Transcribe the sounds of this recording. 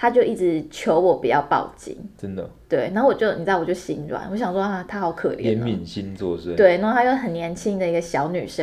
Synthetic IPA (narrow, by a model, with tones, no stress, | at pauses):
t̪ʰa˥t͡ɕjo˥˧ʊʔi˥˩ʈ͡ʂɻ̩˧˦t͡ɕʰjo˧˦ʊwɔ˨˩pi˨˩t͡ɕjɑ˥˧ʊpɑ̰˥˨˩ʊt͡ɕḭ˧˩ŋʈ͡ʂə˦nd̪ə̰˨t̪we˥˩ɪna˧˥o˥˩wɔ˨˩t͡ɕjo˥˩ə˩ni˨˩˥wɔ˨˩t͡ɕjɕi˧˥ŋʈ͡ʂwa̰˨˩nwɔ˧˦ɕjɑ˨˩ŋswɔ˥a˥˩t̪ʰa˥xɑ˨˧˩ʊkʰɤ̰˨˩lj̰nmi˨˩nɕi˦˥nt͡swɔ̰˥˧ʂt̪we˥˩ɪna˧˥o˥˩t̪ʰa˥jxɦə˨˩njɛ˧˥nt͡ɕʰi˦˥ŋd̪ə˨i˧˥ɡə˨ɕjɑ˧˥ʊny̰˨˩ʂə˦